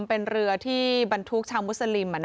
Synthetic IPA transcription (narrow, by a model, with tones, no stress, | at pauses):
mpe˧nɾɯ˧ɐt̪ʰiː˥˩ba˧nt̪ʰu˦˥k̚t͡ɕʰaː˧wmu˦˥t̪̚sa˧li˧mːa˧n